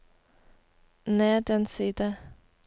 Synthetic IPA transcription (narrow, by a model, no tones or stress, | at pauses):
neːd̪ɛnsiːd̪ə